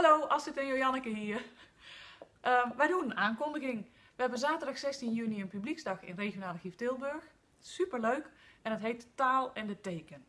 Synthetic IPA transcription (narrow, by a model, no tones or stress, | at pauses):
haloːɔlˠsɪtənjojɑnəkəɦiə | ʔəʋɛjduənənaːnkɔndəɣɪŋ | ʋəhɛbənzaːtərdɑxsɛstinjyniənpybliksdɑxɪ̰nrexjonaːlˠəxiftɪlˠbørx | sypərløːkɛndɔtɦejttaːlˠɛndətejːkən